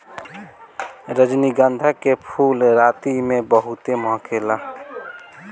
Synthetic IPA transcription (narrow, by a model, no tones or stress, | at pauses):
ɾəd͡ʒniɡənd̪ʱakepʰuːlɾaːt̪imẽbəɦut̪emɔɦkeːla